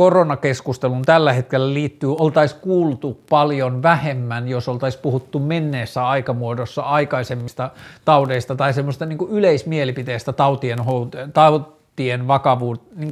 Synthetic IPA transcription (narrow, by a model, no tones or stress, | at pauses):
koronɑkeskust̪elunt̪ælːæhet̪kelːæliːt̪ːyːolt̪ɑiskuːlt̪upɑljonʋæhemːænjosolt̪ɑispuhut̪ːumenːeːsːæɑikɑmuodosːɑɑikɑisemːist̪ɑt̪ɑudeist̪ɑt̪ɑisemːost̪ɑniːŋkuyleismielipit̪ejst̪æt̪ɑut̪ienhot̪et̪ɑu | t̪ienʋɑkɑʋuːniːŋk